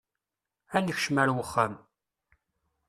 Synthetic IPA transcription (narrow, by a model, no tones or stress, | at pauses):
ænəçʃmæɾwəχːam